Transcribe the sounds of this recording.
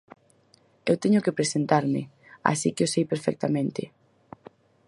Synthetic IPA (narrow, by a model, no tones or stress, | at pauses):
ewt̪eɲʊkepɾesent̪aɾmɪ | a̰sikɪʊsejpeɾfɛ̰k̚t̪amẽnt̪ɪ̰